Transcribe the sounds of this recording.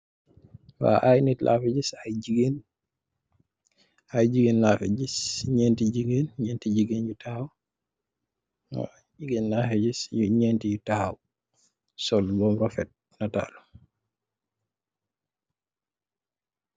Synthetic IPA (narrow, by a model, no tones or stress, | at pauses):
wa̰ʔajnitlʔa̰fɛd͡ʒisajiɡen | ajd͡ʒiɡennafɛd͡ʒisɲɛntid͡ʒiɡenɲɛntid͡ʒiɡenjutahaw | wa̰ | d͡ʒiɡenːafɛd͡ʒisjuɲɛntijutahaw | sɔlbɔmɾɔfɛt̚ | nata̰ːlu